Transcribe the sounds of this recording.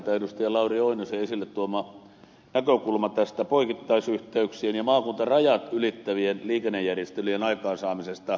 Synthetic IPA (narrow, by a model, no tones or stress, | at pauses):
t̪æenust̪iɑlɑurioinoseesilːet̪t̪uomɑ | nækøkulmɑt̪æst̪æpoikit̪ːɑisyht̪eyksienjɑmɑːkunt̪ɑrɑjɑt̪ylit̪ːæʋienliːkenːejjærjest̪elienɑikɑːnsɑːmisest̪ɑ